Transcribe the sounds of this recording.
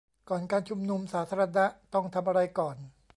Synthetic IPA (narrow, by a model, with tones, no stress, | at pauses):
kɔː˨˩nkaː˧nt͡ɕʰu˧mnu˧msaː˩˦t̪ʰaː˧ɾa˧na˦˥t̪ɔ˥˩ŋt̪ʰa˧mʔa˧ɾa˧jkɔː˨˩n